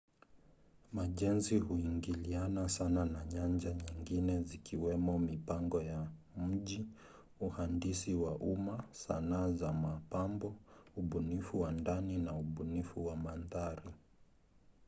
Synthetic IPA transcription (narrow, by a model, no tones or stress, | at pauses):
maʄɛnzihuiŋɡilianasananaɲaɲd͡ʒaɲiŋɡinɛzikiwɛmɔmipaŋɡɔja | m̩ʄi | uhandisiwaʔumasa̰naːzamapambɔuɓunifuwandaninauɓunifuwamanðaɾi